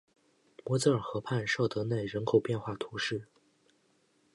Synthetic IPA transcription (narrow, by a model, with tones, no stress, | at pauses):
mwɔ˧˥t͡sɤ˥ə˞˨˩xɤ˧˥pʰa˥˧nʂɤ˥˩ʊt̪ɤ˧˥ne˥˩ɪɻə˧˥nkʰo˨˩ʊpjɛ˥˧nxwa˥˩t̪ʰu˧˥ʂɻ̩˥˩